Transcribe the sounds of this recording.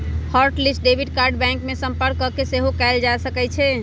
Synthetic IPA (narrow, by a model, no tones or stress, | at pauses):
həɾʈlisʈ̚ɖebʱiɖkaɾɖbɛ̃ŋkmesəmpəɾkːɔkːeseɦokɛɪld͡ʒasəkɛt͡ʃʰɛ